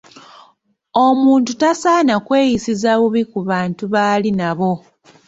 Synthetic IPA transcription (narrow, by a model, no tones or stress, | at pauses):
omuːntutasaːnakwe̞ːjisizaβuβikuβaːntuβaːlinaβo̞